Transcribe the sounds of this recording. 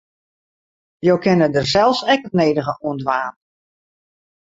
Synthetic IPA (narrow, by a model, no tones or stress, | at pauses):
joːkʰɪnədərsɛlˠfsɛkətneːdəɣəuəndʋaːn